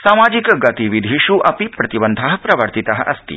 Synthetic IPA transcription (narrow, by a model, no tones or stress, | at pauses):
samad͡ʑikɡat̪iʋid̪ʱiʃuʔɐpipɾɐt̪ibənd̪ʱaɦpɾɐʋəɾt̪it̪aɦɐ̰st̪ḭː